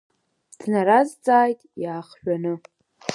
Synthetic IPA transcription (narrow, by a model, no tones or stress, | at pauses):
dʰnaɾazt͡sʼaːjtʼjaːχʃᶣanɨ